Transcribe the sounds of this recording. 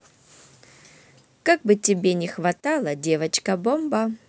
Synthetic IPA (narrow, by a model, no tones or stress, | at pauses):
kaɡ̚bɨtʲɪbʲenʲɪxvɐt̪alˠədʲevət͡ɕkɐbombə